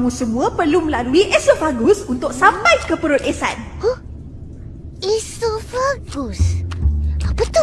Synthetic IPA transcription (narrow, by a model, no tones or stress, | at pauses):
ŋũsəmũãpərlumə̃laluiʔɛsofaɡusunt̪ʊk̚samãjkəpəɾʊt̪̚esan | ʔisofaɡus | b̥ət̪ʊ